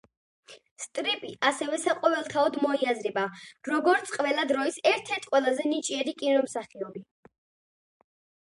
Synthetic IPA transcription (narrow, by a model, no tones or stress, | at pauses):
st̪ʼɾipʼiʔasɛvɛsaqʼɔvɛlˠt̪ʰaɔd̪mɔiazɾɛbaɾɔɡɔɾt̪sʰʼqʼvɛlˠad̪ɾɔisɛɾt̪ʰɛɾt̪ʰqʼwɛlˠazɛnit͡ʃʼiɛɾikʼinɔmsaχiɔbi